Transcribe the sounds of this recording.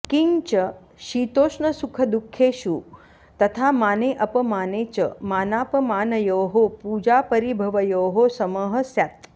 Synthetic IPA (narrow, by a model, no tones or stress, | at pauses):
kiŋt͡ʃə | ʃit̪oːʃɳəsukʰəd̪ukʰːeʃu | t̪ət̪ʰamaːneʔəpəmaːnet͡ʃəmaːnaːpəmaːnəjoːɦopud͡ʒapəɾibʱəʋəjoːɦosəməɦəsjat̪